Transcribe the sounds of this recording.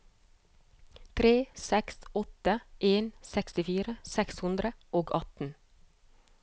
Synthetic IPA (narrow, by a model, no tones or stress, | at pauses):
t̪ʰɾeːsɛksɔt̪əʔeːnsɛkst̪ɪfiːɾəsɛkshʉnd̪ɾəoːɡɑt̪n̩